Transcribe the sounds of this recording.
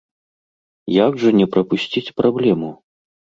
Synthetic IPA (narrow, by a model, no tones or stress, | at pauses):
jaɡʐɐnʲɛpɾɐpusʲt͡sʲit͡sʲpɾablʲɛmu